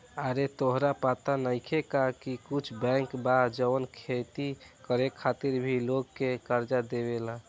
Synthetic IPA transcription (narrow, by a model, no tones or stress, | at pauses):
aɾet̪oɦɾapat̪anəjkʰekakikut͡ʃʰbɛ̃ŋkbad͡ʒəwnkʰet̪ikəɾekʰːat̪iɾbʱiloɡkekəɾd͡ʒad̪eβela